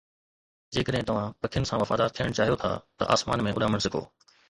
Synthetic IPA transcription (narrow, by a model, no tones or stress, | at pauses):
d͡ʑeːkəɗɦɪ̃t̪ɐʋ̤ãpɐkʰɪjʊnɪsãʋɐfaːd̪aːɾt̪ʰijəɽ̃t͡ɕaːɦijot̪ʰa̰ːt̪ɐ̰ʔa̰ːsma̰ːnmẽʔʊɗaːməɽ̃sɪkʰo̰ː